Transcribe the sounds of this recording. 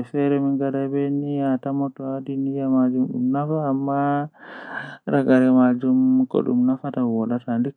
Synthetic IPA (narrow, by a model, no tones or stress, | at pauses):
fɛɾɛmiŋɡadabɛnijatamɔtɔwadinijamad͡ʒumɗumnafaːmːa | ɾaɡaɾɛmad͡ʒumkɔ̰ɗṵmnafatawɔɗatandi